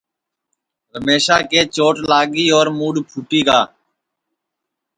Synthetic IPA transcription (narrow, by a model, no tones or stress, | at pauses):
ɦəmeːʃaːkeːt͡ʃoːʈlaːɡiːoːɾmuːɽpʰuːʈiːɡaː